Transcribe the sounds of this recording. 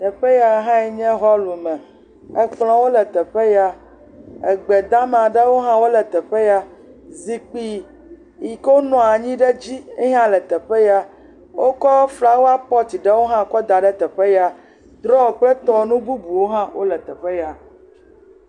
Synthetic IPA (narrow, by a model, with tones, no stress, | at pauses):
t̪ɛ˨ɸe˦ja˨˦ɦã˦ɛ˨ɲɛ̃˦ɦɔ˦lu˨mɛ̃˨ | ɛ˦k͡plɔ̃˨wo˦lɛ˨t̪ɛ˨ɸe˦ja˦ | ɛ˨ɡ͡bɛ˨d̪a˦m˨a˨ɖe˦wo˦ɦã˦wo˦lɛ˨t̪ɛ˨ɸe˦ja˦zi˨k͡pi˦ | ji˨ko˦nɔ̃˨a˨ɲĩ˦ɖɛ˦d͡ʑi˦ɛ˦ɦã˦lɛ˨t̪ɛ˨ɸe˦ja˦ | wo˦kɔ˦fla˦wo˦a˦pɔ˦t̪i˨ɖɛ˦wo˦ɦã˦kɔ˦d̪a˨ɖɛ˦t̪ɛ˨ɸe˦ja˨ | d̪ɾɔ˦wo˨k͡plɛ˦t̪ɔ˦˨nũ˦bu˦bu˨wo˦ɦã˦wʔo˦lɛ˨t̪ɛ˨ɸe˦ja˨